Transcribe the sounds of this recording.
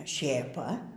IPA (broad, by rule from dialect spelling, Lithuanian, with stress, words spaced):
ʃʲeːˈpɐ